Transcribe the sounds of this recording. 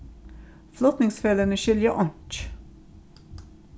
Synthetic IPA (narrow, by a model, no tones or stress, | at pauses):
flɔt̪nɪŋsføːlənəʃʏljəʔɔnt